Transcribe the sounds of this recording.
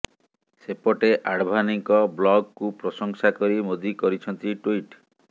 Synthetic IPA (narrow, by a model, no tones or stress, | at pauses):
sepɔʈeʔaɽbʱaniŋkɔblɔɡkupɾɔsɔŋsakɔɾimod̪ikɔɾit͡ʃʰɔnt̪iʈuiʈ